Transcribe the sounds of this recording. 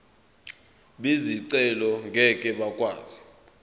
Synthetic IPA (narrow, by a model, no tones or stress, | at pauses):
ɓiziǀɛlɔŋɡʱɛkʼɛɓakʼwa̰ːz̥i